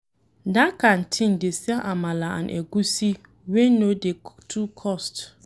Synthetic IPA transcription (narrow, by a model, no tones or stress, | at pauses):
dakʰãn̩tʰɪ̃ndesiaʔamãlaã̰nʔɛ̰ɡusi | wẽnõdetʰukʰɔst